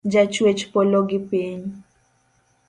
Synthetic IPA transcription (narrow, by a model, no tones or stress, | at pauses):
d͡ʒat͡ʃwet͡ʃpoloɡɪpiɲ